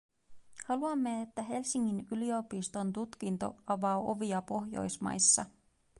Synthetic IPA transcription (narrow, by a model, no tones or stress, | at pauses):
hɑluɑmːe̞et̪ːæɦe̞lsiŋːinylio̞pist̪o̞nt̪ut̪k̟int̪o̞̰ɑʋɑːʔo̞ʋiɑpo̞ɦjo̞̰jsmɑ̰jsːɑ̰